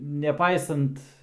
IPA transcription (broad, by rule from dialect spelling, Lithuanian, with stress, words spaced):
nʲɛˈpɐɪsɐnt